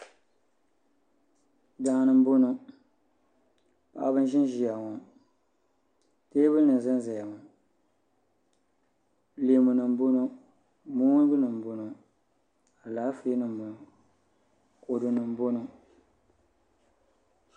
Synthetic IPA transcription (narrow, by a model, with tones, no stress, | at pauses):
da˦nɨ˦m˦bo˦no˨ | pa̰˨˦bɨ˦n˦ʒɪ˦n˦ʒi˦ja˨ŋo˨ | teː˦bɨ˦nɨ˨n˨zɨ˦n˦za˨ja˨mu˨ | le˨mu˨nɨ˨m̩˨˦bo˦no˦ | mu˦ŋ˦bɨ˦nɨ˨m˨bo˨no˨ | a˨laː˨˦fe˦nɨ˨m˦bo˨n˨ | ko˨du˨nɨ˨m˨˦bo˦nu˨